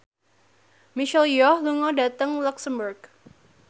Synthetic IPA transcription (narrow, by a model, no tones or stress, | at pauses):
miʃɛljɔhluŋɔdat̪əŋlɔksəmburɡ